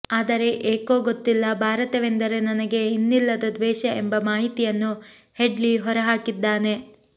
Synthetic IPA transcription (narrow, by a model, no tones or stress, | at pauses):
aːd̪ɐɾe̞ʔeːko̞ːɡot̪ːilːɐbʱaːɾɐt̪ɐʋend̪ɐɾe̞nɐnɐɡe̞inːilːɐd̪ɐd̪ʋɛːʃɐembɐmaːɦit̪ijɐnːuheɖliɦɔɾɐɦaːkid̪ːaːne̞